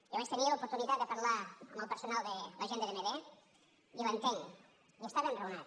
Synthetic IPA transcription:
əβast̪əniəlupuɾt̪unit̪at̪̚d̪əpəɾlaə̰mbəlˠpəɾsunalˠd̪ələʒend̪əðemeβe | ilənt̪eŋ | iəst̪aβenrəunat̪

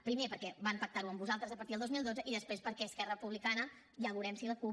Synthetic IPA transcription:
pɾimepəɾkɛbampək̚t̪aɾuəmbuzalˠt̪ɾəzəpəɾt̪iðlˠd̪ozmilˠd̪od͡zəʔiðəspɾespəɾkɛəskɛrəəpuβlikanə | ʎaɣuɾɛmsiləku

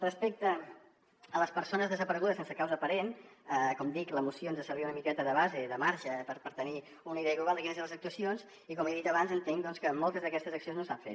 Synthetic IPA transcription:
rəspek̚t̪ə | ələspəɾsonəzðəzəpəɾəɣuðəsensəkawzəːpəɾenəkɔmd̪ikləmusionzðəsəɾβiunəmikɛt̪əðəβ̞azeðəmaɾʒəpəɾpəɾt̪əni | unəiðɛəɣluβalˠd̪əkinəzeləzək̚t̪uəsionz | ikɔmeðit̪əβanzənt̪eŋd̪ɔnskəmɔlˠt̪əzðəkɛst̪əzəksionznosaɱfḛt̪

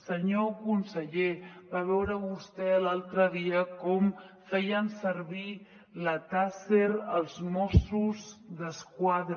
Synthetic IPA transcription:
səɲokunsəʎeβaβɛwɾəβust̪ɛəlalˠt̪ɾəðiəkɔm | fɛjənsəɾβi | lət̪aseɾəlˠzmɔsuzðəskwaðɾ

